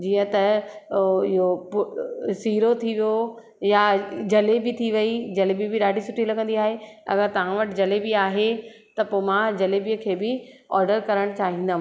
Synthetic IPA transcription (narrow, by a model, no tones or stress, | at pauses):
d͡ʑiːə̃t̪ɐ | ɪɦopʊsiːɾot̪ʰiʋijo | jad͡ʑɐlebɪt̪ʰiʋɐid͡ʑɐlebibɪɗaːɖʱisʊʈʰilɐɡə̃nd̪iaːɦeɐ̰ɡəɾt̪ɐʋ̤ãʋɐʈɪd͡ʑɐlebɪaːɦet̪ɐpoːmãd͡ʑɐlebijəkʰeːbɪ | ɔːɾɖəɾkɐɾəɽ̃t͡ɕaːɦĩːnd̪aːɦ